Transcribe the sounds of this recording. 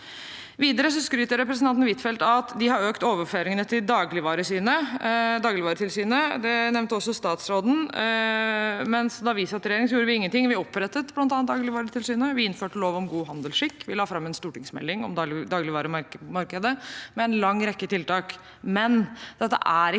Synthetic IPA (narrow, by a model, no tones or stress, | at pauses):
ʋiːd̪əɾəsɔskɾyːt̪əɾɛpɾəsnɑnt̪ən̩ʋɪt̪fɛlt̪ɑt̪d̪ɪhɑɾøːkt̪oːʋəføːɾɪŋənət̪ʰɪld̪ɑːɡlɪʋɑːɾəsiːnəd̪ɑːɡlɪʋɑːɾət̪ɪlsyːnəd̪ɛnɛʋnt̪əɔsːɔst̪ɑːt̪sɾoːd̪n̩ | mɛnsd̪ɑʋɪsɑt̪ɾɛjeːɾɪŋnsɔjuːɾəʋɪɪŋːənt̪ɪŋʋɪæɾɔpːɾɛt̪ːət̪blɑnt̪ɑːnt̪d̪ɑːɡlɪʋɑːɾət̪ʰɪlsyːnəʋɪɪnføːʈəloːʋɔmɡuːɦɑnd̪əlʂɪkːʋɪlɑːfɾɑmːɛnst̪uːʈɪŋsmɛ̰lːɪŋɔ̰md̪d̪ɑːɡlɪʋɑːɾəmɑmɑɾkəd̪əmɛɛnlɑŋːɾɛkːət̪ʰɪlt̪ɑːk | mɛnd̪̥ɛt̪ːə̰ʔæɾɪ